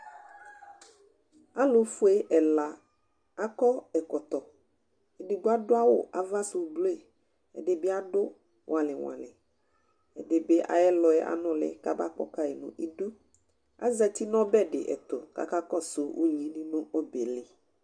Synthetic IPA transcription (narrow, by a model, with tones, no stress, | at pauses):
a˦lʊ˨fʊ˦e˦ʔɛ˨la˨ | a˦kɔ˦ɛ˨kɔ˨t̪ɔ˨ | ɛ˨dɪ˨ɡʊ˦a˦dʊ˦a˦wʊ̰˦˨ʔa˨va˦sʊ˨blo˦e˦˨ | ɛ̰˨dɪ˨bɪ˦a˦dʊ˦ | wʔã˨lɪ˨wa̰˨lɪ̰˨ | ɛ˨dɪ˨bɪ˦ʔa̰˨jɛ˦lɔ˨ɛ˦ʔa̰˨˦nɔ̃˦lɪ̰˨˦ka˦ba˦˨k͡pɔ̰˨ka˦ɛ˨nʊ̰̃˨ʔi˦du˦ | a̰˦zɛ˦t̪i˦nɔ̃˦bɛ˦dɪ̰˨ʔɛ̰˨t̪ʊ˨ka̰˨ka˦kɔ˦sʊ˨wʔṵ˦ɲĩ˨nĩ˦nʊ̃˦o˦be˨lɪ˨